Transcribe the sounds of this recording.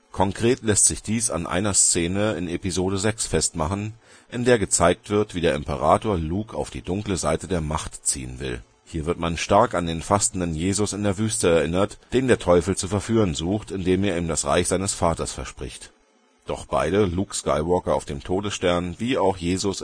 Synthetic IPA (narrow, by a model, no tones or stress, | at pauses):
kʰɔŋkʁ̥eːtlɛstz̥ɪçd̥iːsa̰nʔa̰ɪnɐst͡seːnəɪnepizoːɾəzɛksfɛstmaχn̩ | ʔɪndeːɐɡət͡saɪk̚tv̥ɪɐtv̥iːdeːɐɪ̰mpəʁ̞aːtoːɐluːkʰa̰ʊfd̥iːdʊŋkləzaɪtədeːɐmaχtt͡sḭːə̰nvɪ̰l | hiːɐvɪɐtmanʃtaɐkandeːnfastn̩dənjeːzʊsɪndeːɐvyːstəɛɐʔɪnɐtd̥eːndeːɐtʰɔʏfl̩t͡sufɛɐfyːʁənzuːxtɪndeːmeːɐiːmdasʁa̰ɪçz̥aɪnəsfaːtɐsfɛɐʃpʁ̥ɪ̰çt | d̥ɔχb̥a̰ɪɾəluːkska̰ɪvɔɐkɐa̰ʊfd̥eːmtʰoːdəsʃtɛɐnviːaʊxjeːzʊs